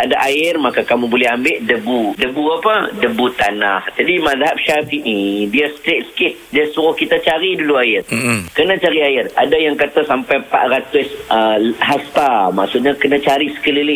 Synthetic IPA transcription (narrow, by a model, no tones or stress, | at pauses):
ʔadaʔaɪrmakakamũbolɛɦambɪʔdəbudəbuapadəbut̪anahd͡ʒadimazɦap̚ʃafinidiasə̥t̪ɾet̪̚skɪt̪̚diasuɾʊhkit̪at͡ʃaɾiduluaɪrkənãt͡ʃaɾiaɪradajaŋkat̪asampajpa̰ʔrat̪ʊsəhast̪ama̰ʔsʊʔɲakənãt͡ʃaɾisə̥kəlilɪ